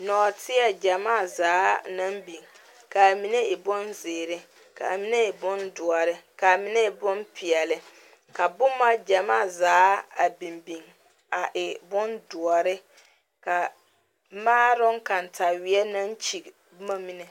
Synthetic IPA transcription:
nɔ˨tɪ˦ɛ˨d͡ʒa˨maː˦˨zaː˨˦na˦mbi˨ŋ | ka˨mi˨ne˦ɪ˨bʊ˦nzɪː˨ɾɪ˦ | ka˨a˨mi˨˦ne˦ɪ˨bʊ˦ndʊ˨ɔ˨ɾɪ˦ka˨mɪ˦nɛ˦ɪ˨bʊ˦npʰi˨ɛ˨lɪ˨ | ka˨bʊ˦ma˦d͡ʒa˨ma̰ː˦˨zaː˨˦a˨bi˨mbi˨ŋ | a˨ʔɪ˨bʊ˦ndʊ˨ɔ˨ɾɪ˦ | ka˨ | maː˦ɾʊ˦ŋka˨n˨tʰa˨wɪ˦ɛ˦na˦nt͡ʃi˨ | bma˦mi˦nɛ˨

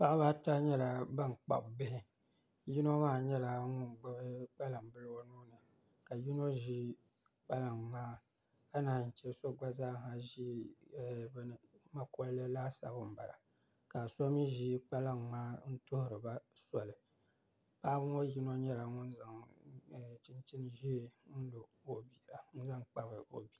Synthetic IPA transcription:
pa˦ʔba˦ta˦ɲɛ˦la˨ba˦ŋ˨k͡pa̰˨bbɪ˦hɪ˦ | ji˦no˦maː˦˨ɲɛ˦la˨ŋʊ˦n˨ɡ͡ba˦bɨ˦k͡pa˦la˨mbɨ˦lo˦nuː˦nɨ˨ | ka˨ji˦no˦ʒi˦ | k͡pa˦la˨mːaː˦ | ka˦na˨n̩˨t͡ʃɛ˦so˦ɡ͡ba˦zaː˦ɦa˨ʒi˦˨ | bn˨ma˦ko˦lːɨ˦laː˦sa̰˨bɨ˨m̩˨ba˨la̰˨ | ka˨so˦mi˦ʒi˦k͡pa˦la˦ŋːaː˦n̩˦tʊ˦hʊ˦ɾɨ˨ba˦sɔ˨lɨ˨ | paː˦bɨ˦o˦ji˦no˦ɲɛ˦la˨ŋʊ˦n˦za˨ŋ˨ | t͡ʃi˦nt͡ʃi˦n˦ʒi˦n̩˦lo˨o˨bi˦˨la˨n̩˦za˦ŋk͡pa˦bɨ˨o̰˨bi˦

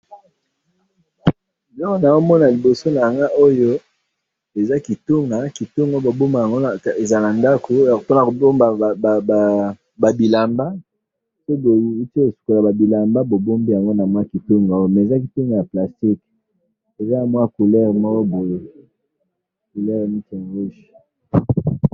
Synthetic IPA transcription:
lɔ˦ko˦na˨o˦mɔ˦na˨li˨bo˨so˦na˨ja˨ŋɡa˦ʔo˦jo˦ | e˨za˦ki˨to˦ŋɡa˨ki˨tu˦ŋɡa˦bo˨bo˦ma˨ja˨ŋɡo˦na˨e˨za˨na˨nda˦ko˨to˦na˨ko˨bo˦ma˨a˨ | ba˨bi˨la˨mba˦ | so˦bo˨u˦te˦o˨su̥˨ko˨la˨ba˨bi˨la˨mba˦bo˨bo˦mbi˦ja˨ŋɡo˦na˨m˦a˦ki˨to˦ŋɡa˨o˦jo˦mɛ˨e˨za˦ki˨tu˦ŋɡa˨ja˨pla˨sti˦k | e˨za˦na˨mwa˦ku˨lɛ˦ʁmɔ˦ko˦bo˨je˦ | ku˨lɛ˦ʁmi˦te˨ŋɡu˦ʃ

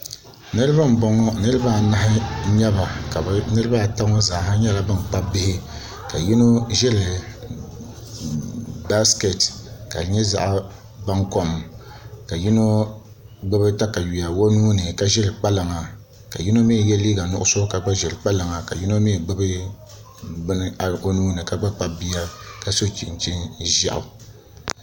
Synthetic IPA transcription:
nɨ˦ɾɨ˦ba˦m˨bɔ˦ŋɔ˦nɨ˦ɾɨ˦ba˦˨na˦ɦɪ˦ɲɛ˦ba˨ka˨bnɨ˦ɾɨ˦ba˦˨ta˦ŋɔ˦za˨ha˦ɲɛ˦la˨bɨ˦n˨k͡pa˦bɪ˦hɪ˦ | ka˨ji˦no˦ʒɛ˦lɨ˨ | ba˦ske˨tka̰˨ɾɲɛ˦za̰˨ʔ | ba˦ŋko˨m˨ka˨ji˦no˦ | ɡ͡bɨ˦bɨ˦ta˦ka˨ɥi˨a˨wo˦nuː˦nɨ˨ka˦ʒɛ˦lk͡pa˦la˨ŋa˨ | ka˨ji˦no˦mi˦˨jɛ˦liː˦ɡa˨nʊ˦ʔʊ˦so˦ka˨ɡ͡ba˦ʒɛ˨lɨ˨k͡pa˦la˨ŋa˨ka̰˨ji˦no˦mi˦˨ɡ͡bɨ˦bɨ˦ | bɨ˦nɨ˦a˨˦o˦nuː˦nɨ˨ka˦ɡ͡ba˦k͡pa˦bi˦ja˦ka˨so˦t͡ʃi˨n˨t͡ʃi˦nʒa̰˦ʔʊ̰˨

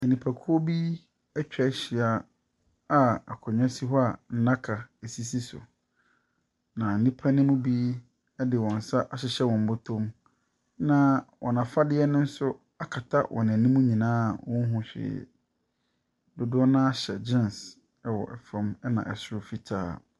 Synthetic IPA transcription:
ɛ˨nĩ˨pʰa˨kʰu˦o˦bi˦ | ɛ˦t͡ɕᶣɛ˨˦ɕɪ˨a˨ | a˦a˨kʰɔ˨ɲᶣã˦si˦ɦɔ˦a˨n̩˦nã˦kʰa˨e˨si˦si˦sʊ̰˨ | nã˨n̩˨nĩ˦pʰa˦nɪ̃˦mʊ̃˦bi˦ | ɛ˦dɪ˨wɔ̃˨n̩˨sa˦ʔa˨ɕɪ˨ɕɛ˦wɔ̃˨m˨bʊ˦tʰõ˦m | nã˨wʔɔ̰̃˨nã˨fa˦dɪ˦ɛ˦nʊ̃˦n̩˦sʊ˦ | a˨kʰa˨tʰa˦wʔɔ̰˨nã˨nĩ˦mũ˦ɲĩ˨nãː˦˨wɔ̃˦n˦ɦʊ̃˨ɕᶣɪ̰˨ | dʊ˨dʊ˦ɔ˦nã˦a˦ɕɛ˨d͡ʑɪ̃˦˨n˨s | ɛ˦wɔ̰˨ʔɛ˨fã˦mɛ˦nã̰˨ʔɛ˨sɾʊ˦fi˦tʰa̰ː˦˨

